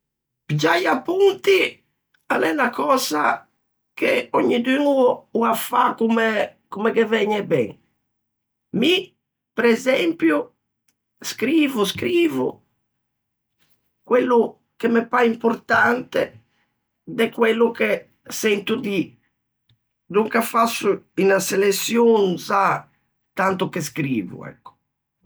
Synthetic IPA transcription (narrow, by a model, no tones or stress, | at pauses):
pid͡ʒajapːunt̪i | anɛnakɔːza | keɔɲːid̪ynuuafakumɛkumɛkevɛɲːɛbɛ̰ŋ | mi | pɾɛzɛmpju | skɾiːvuskɾiːvṵ | kwelːu | kemɛpaimpɔɾt̪ant̪ɛ̰ | d̪ɛkwɛlːukɛ | sɛnt̪ud̪i | d̪uŋkafasːuinaselesːjonsa | t̪ant̪ukeskɾḭːvṵɛ̰kːɔ̥